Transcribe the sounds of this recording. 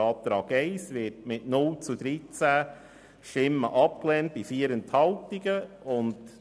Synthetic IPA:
ɑːp̚t̪ɾɑːɡɛɪsʋɪtmɪtnʊlt͡sud̪ɾit͡sæ | ʃtɪmːəʔɑp̚klɛːnt̚b̥ifiːəɾənthɑltiɡə | ʊnd

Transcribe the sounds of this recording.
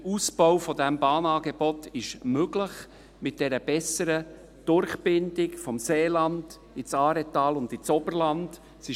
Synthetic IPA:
usb̥ɔwfɔdɛmbɑːnɑːɡebɔtɪʃmøɡləχ | mɪt̚d̥ɛɾəb̥ɛsəɾə | d̥ʊɾχbɪnd̥ɪkfɔmseːlɑnd̥ | ɪt͡sɑːɾɛtɑːlʊndɪt͡sɔbərlɑnd | sɪ

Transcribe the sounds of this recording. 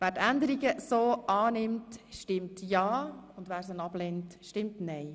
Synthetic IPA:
ʋæːɾtændəɾiɡəsoːʔɑːnɪmtʃtɪmtjɑːʊndʋæːɾsənɑb̥lɛntʃtɪmtnɛɪ

